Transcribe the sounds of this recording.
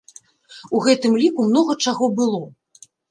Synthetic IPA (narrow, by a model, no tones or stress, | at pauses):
uɣɛt̪ɨmlʲikumnɔɣɐt͡ʂaɣɔbɨlˠɔ